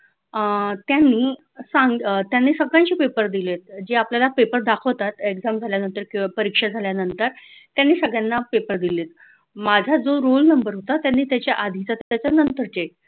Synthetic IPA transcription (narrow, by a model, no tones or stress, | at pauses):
t̪janːiː | saŋɡt̪janːiːsəɡɭaɲt͡ɕiːpepəɾd̪ilet̪̚d͡ʑeapljalapepəɾd̪akʰəʋt̪at̪eɡd͡zamd͡zʱaljanənt̪əɾkipəɾikʂad͡zʱaljanənt̪əɾ | t̪janːiːsəɡɭjanːapepəɾd̪ilet̪ | mad͡zʱad͡zoɾolnəmbəɾɦot̪at̪janːiːt̪jat͡ɕjaʔad̪ʱit͡sat̪t̪jat͡ɕanənt̪əɾt͡ɕek̚